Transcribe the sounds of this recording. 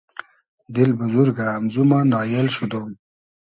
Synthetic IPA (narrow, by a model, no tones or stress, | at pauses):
d̪ɪlbʊzuɾɡaːmzumanɑːjelɕud̪om